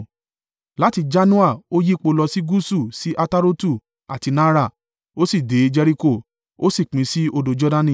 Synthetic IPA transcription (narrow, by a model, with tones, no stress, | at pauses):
la˦ti˧d͡ʒa˦nũ˦a˦˨o˦ji˦k͡po˧lɔ˧si˦ɡu˦su˦˨si˨˦ʔa˧ta˦ɾo˦tu˦˨ | a˨ti˨˧nã˦ɾa˦˨ | o˦si˦˨de˨˦d͡ʒɛ˧ɾi˧ko˦˨ | o˦si˦˨k͡pĩ˨˦si˦o˧do˧d͡ʒɔ˦dã˦nĩ˦˨